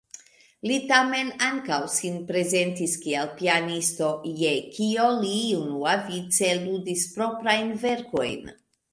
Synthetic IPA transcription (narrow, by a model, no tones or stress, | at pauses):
litame̞naŋkawsinpɾe̞ze̞ntiskialpianisto̞je̞kʰioliunuavit͡se̞ludispɾo̞pɾajnve̞ɾko̞jn